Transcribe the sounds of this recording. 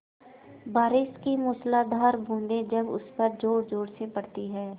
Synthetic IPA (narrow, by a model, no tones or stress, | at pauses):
baːɾɪʃkimʊːslaːd̪ʱaːɾbʱũːnd̪ẽd͡ʒɐbʊ̰spəɾd͡ʒoːɽd͡ʒoːɽsepɐɽt̪iɦɛː